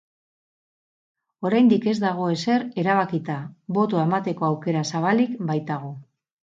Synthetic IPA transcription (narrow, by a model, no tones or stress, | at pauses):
o̞ɾajnd̪ike̞zd̪aɣ̞o̞e̞se̞ɾe̞ɾaβ̞akit̪aβo̞t̪oemat̪e̞ko̞awke̞ɾasaβalikbajt̪aɣ̞o̞